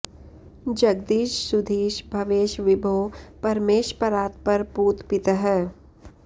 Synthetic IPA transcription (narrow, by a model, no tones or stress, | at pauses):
d͡ʒɐɡd̪iːʃsʊd̪ʱiːʃbʱɐʋeːʃʋɪbʱoːpɐɾmeːʃpəɾaːt̪̚pɐɾpuːt̪pɪt̪əɦɛ